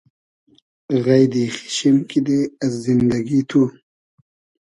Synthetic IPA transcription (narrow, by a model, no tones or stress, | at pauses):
ɣajd̪ixi̥ɕimkid̪eɐzzind̪aɡit̪ʰu